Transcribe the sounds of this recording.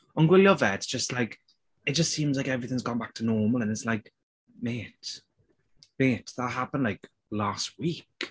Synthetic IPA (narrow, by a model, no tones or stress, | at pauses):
ə̃nɡwɪljəvɛtsd̥ʒ̥ʌstlaɪk | ɪt̚d̥ʒ̥ʌstsĩmzlaɪkɛvɹiθɪ̃ŋzɡɔ̃nbak̚tʰənɔːməlˠə̃nɪtslaɪk | meːt | meːtʰðətɦapə̃ndˡlaɪk | last̚wik